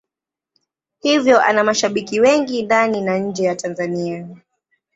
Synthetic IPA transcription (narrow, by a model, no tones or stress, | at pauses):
hivjɔʔa̰namaʃaɓikiwɛŋɡindaninaɲ̩d͡ʒɛjatanzania